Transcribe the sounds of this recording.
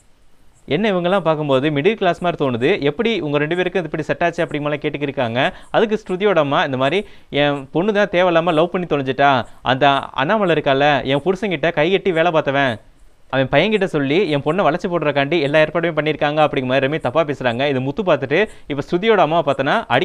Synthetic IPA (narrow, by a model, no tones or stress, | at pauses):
ɛnːɐɪʋɐŋɡɐlːãːpaːɾkɯmpoːðɯmɪɽɯlklaːsmaːɾɯt̪oːnɯðɯʔɛpːɐɽiʊŋɡɐɾɛɳɖɯpeːɾɯkːɯ̃ɐðɛpːɐɽisɛʈːaːt͡ʃːɯɐpːɐɽɪŋːmɐːlaːkeːʈːɯk̬ːɪɾɯkːaːŋɡɐɐðɯkːɯsʈʊðɪjoːɽɐmːaːɪnd̪ɐmaːd̪ɾi | ɛ̃pɔɳːɯt̪ãːt̪eːʋɐlaːmaːlɐʋʊpɐɳːit̪ɔɭɐɲd͡ʒɯʈːaːʔɐ̰nd̪ɐɐ̰naːmɐɭɐɪɾɯkːaːlɐɛ̃pʊɾɯsɐ̃ŋkɪʈːɐkɐɪkɛʈːiʋeːɭɐpaːɾt̪ːɐʋẽː | ɐʋɐɛ̃pɐjɐŋkɪʈːɐsɔlːiɛ̃pɔɳːɐʋɐɭɐɾt͡ʃːɐpoːʈɾɐkaːɳɖiɛlːaːeːɾpaːɽɐmẽːpɐɳːɪɾɯkːaːŋɡɐɐpːɐɽɪŋɡɐmaːdɾɐmet̪ɐpːaːpeːsɪɾaːŋɡɐɪðɯmʊt̪ːɯpaːɾt̪ɯʈːɯ | ɪpːɐːsʈʊðɪjoːɽɐmːaːpaːɾt̪aːnːaːʔɐɽɪ